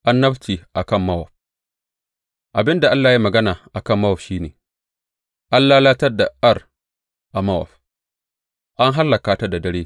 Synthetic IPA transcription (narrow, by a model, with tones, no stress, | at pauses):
ʔa˦nːɐ˦bt͡ʃiː˨ʔa˨kɐ˦˨mːɐ˦wɔ̰˨ɸ̚ | ʔa˨bɪ˦nda˨ʔa˦lːaː˨ji˦mɐ˨ɡɐ˦naː˨ʔa˨kɐ˦˨mːɐ˦wɔ˨ɸʃiː˦neː˨ | ʔa˦nlaː˦laː˦tɐ˦rda˨a˦˨r | ʔa˨ma˦wɔ̰˨ɸ | ʔa˦ŋɦa˦lːa˨kaː˨ta˦da˨dɐ˦ɽeː˦